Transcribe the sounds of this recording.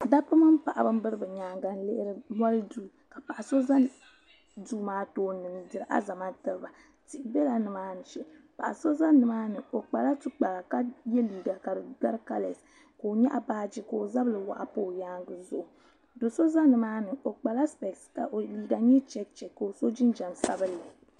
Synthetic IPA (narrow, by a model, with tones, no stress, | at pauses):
da˦pɨ˦mɨ˦mpa˨ʔa˨bɨ˦m˦bɨ˦ɾɨ˦bɨ˨ɲaː˨˦ŋɡa˨n˦le˦ʔɾɨ˦mʷa˦lɨ˦duː˦˨ka˨pa˨ʔa˨so˦za˦ | duː˦maː˦toː˨˦nɨ˨ndɨ˨ɾɨ˦ʔa̰˦za˨ma˦tɨ˨lɨ˦ba˨ | ti˨bɛ˦la˨nɨ˨maː˦nɨ˨ʃɛ˦˨ | pa̰˨ʔa˨so˦za˦nɨ˨maː˦nɨ˨o˨k͡pa˨la˦tu˦k͡pa˨la˨ka˦jɛ˦liː˨ɡa˨ka˨dɨ˨da˦ɾɨ˦ka˦le˨s | ko˨o˨ɲɛ˦ʔa˨baː˦d͡ʒi˦ko˨o˨za˦bɨ˦lɨ˨wa̰˨ʔa˨poː˦jaː˦ŋɡɨ˦zʊ˦ʔʊ˨ | do˨so˦za˦nɨ˨maː˦nɨ˨ʔo˨k͡pa˨la˦spɛ˨kska˨ʔo˨liː˨ɡa˨ɲɛ˦t͡ʃɛ˦k̚t͡ʃɛ˨kko˨o˨so˦d͡ʒɪ˦nd͡ʒa˨msa̰˦bɨ˦lɨ˨